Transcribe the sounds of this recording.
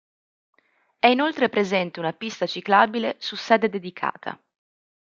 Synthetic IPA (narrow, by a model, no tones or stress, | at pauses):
ɛinolt̪ɾepɾezɛnt̪eunapist̪at͡ʃiklaːbilesusːɛːd̪ed̪ed̪ikʰa̰ːt̪ʰa̰